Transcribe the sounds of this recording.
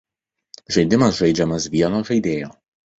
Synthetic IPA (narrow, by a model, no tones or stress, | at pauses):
ʒɐɪd̪ʲɪmɐsʒɐɪd͡ʒʲɛmɐsʋʲiɛnoːʒɐɪd̪ʲeːjoː